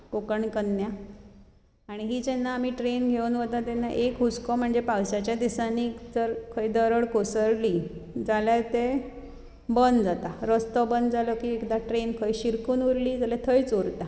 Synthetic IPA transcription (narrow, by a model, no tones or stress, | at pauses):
kokəɳkənːja | aɽ̃iɦiːd͡ʑenːaːmiːʈɾenɡʱeunʋət̪at̪ɛnːaʔekɦut͡skɔm̤əɳd͡zepawɕat͡ɕjad̪isaniːt̪əɾkʰəjd̪əɾəɽkosəɾliːd͡zalat̪e | bənd̪d͡zat̪aɾəst̪ɔbənd͡zalɔkiːekd̪aʈɾenkʰəjɕiɾkuːnuɾliːd͡zalat̪ʰəjt͡soɾt̪a